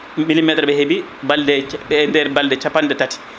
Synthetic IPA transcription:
milimɛtɾɓɛhebi | baldɛɛndɛɾbaldɛt͡ʃapandɛtati̥

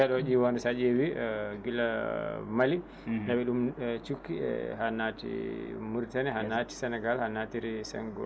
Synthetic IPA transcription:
ɛɗɔd͡ʒiwanusad͡ʒewiɡilamali | ɗɛbɛɗumt͡ʃukːḭhanːatḭmuɾtɛnɛɦanːaːti̥sɛnɛɡalhanːatiɾisɛ̰ŋɡɔ

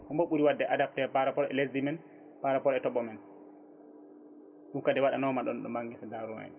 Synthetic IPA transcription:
kɔmbɔɓuɾiwadːɛʔadap̚tɛpaɾapɔɾɛ̰lesdimɛn | paɾapɔɾɛtɔɓɔmɛn | ɗumkadɛwaɗanɔmaɗɔnɗɔ̰maŋɡɛsadaɾuma̰n

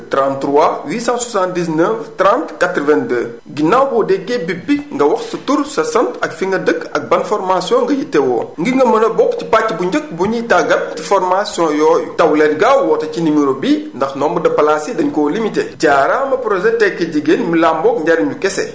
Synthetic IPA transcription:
tɾãntɾuwawiːsãswasãntdis̬nəftɾãntkatɾəvɛ̃ndəː | ɡinawbɔdɛɡebibiŋɡɐwɐxsɐtuɾsɐsɐntɐkfiŋɡɐdəkːɐk̚bɐnfɔɾmasjɔ̃ŋɡɐjitɛwɔ̰ːŋɡiŋɡɐmɐnɐbɔkcipacːbuɲɟək̚buɲitaɡɐt̚tifɔɾmasjɔ̃jɔːjutɐwlɛtɡawwɔtɐcinimiɾobindɐxnɔːmbudɐpɐlaːsidɐɲkɔːlimitḛɟaːɾaːmɐpɾɔʒɛtɛkːɐɟiɡenmilaːmbɔk̚ɲɟaɾɐɲukɛsɛ̰

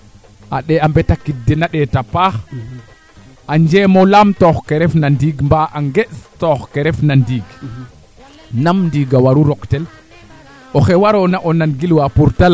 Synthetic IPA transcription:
ʔaɗɛambɛtakidːɛnaɗɛtapax | ʔaɲd͡ʒɛːmɔlamtɔxkɛɾɛfnandiɡmbaʔaŋɡɛɗstɔxkɛɾɛfnandiːɡ | namndiɡawaɾuɾɔktɛl | ʔɔxɛwaɾɔnaʔɔnanɡilwapuɾtala

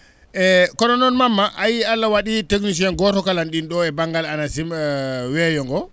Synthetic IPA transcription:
ʔɛkɔɗɔnɔnmamːaʔajialːawaɗitəɡniʃ̬ɛnɡɔtɔkalanɗinɗɔɛbaŋɡalanasimwɛjɔŋɡɔ

